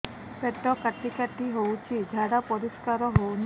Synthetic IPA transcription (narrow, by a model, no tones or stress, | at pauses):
peʈːɔkaʈikaʈiɦowt͡ʃʰid͡ʒʱaɽapɔɾiskaɾɔɦown